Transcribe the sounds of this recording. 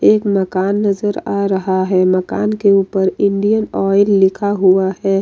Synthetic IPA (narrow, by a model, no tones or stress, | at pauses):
eːkməkaːnːɐzəɾaːɾɐɦaɦɛmɐka̰ːnkeuːpəɾɪ̃ɳɖijənɔːɪlːɪkʰaɦuaɦɛː